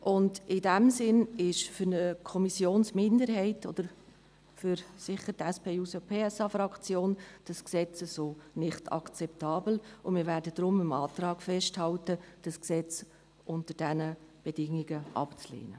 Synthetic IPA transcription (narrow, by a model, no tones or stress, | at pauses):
ʔʊndɪdɛmsɪnɪʃfʏɾnəkʰɔmisjoːnsmɪndəɾɦɛɪtɔd̥̪əɾ | fʏɾsɪχːəɾtɛspʰeːuːsopʰeːɛsɑfɾɑkt͡sjoːnd̥ɑsksɛt͡səzoːnɪχtʰɑ̰kt͡sɛptɑːbl̩ʊmɪːɾvæːɾdəd̥ɾʊməmɑːtrɑːɡ̥fɛʃthɑltəd̥ɑsksɛt͡s | ʔʊntəd̥ɛnəb̥ɛdɪŋːiɡəʔɑ̰pt͡slḛːnə